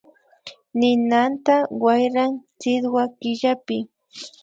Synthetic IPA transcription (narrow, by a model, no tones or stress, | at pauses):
nɪnant̪awajɾaŋt͡sɪd̪wakɪʎapɪ